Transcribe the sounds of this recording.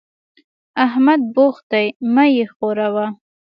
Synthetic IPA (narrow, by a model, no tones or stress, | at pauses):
aɦmad̪̚boxt̪ajmajexoɾawa